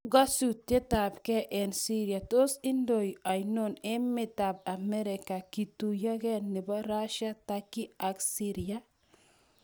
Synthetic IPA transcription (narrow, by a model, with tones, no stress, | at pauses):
ɡa˦su˨te˦ta˨bkɛ˦ʔɛ˨nsi˦ɾi˨a˨to˦si˦ndo˨ja˨jno˨nɪ˦mɪ˨ta˨b̚a˨mɛ˦ɾɪ˨ka˨ki˨tu˨ja˦kɛ˦nːɪ˨bɔ˦ɾa˦ʃa˦takːɪ˦a˨ksi˦ɾi˨a˦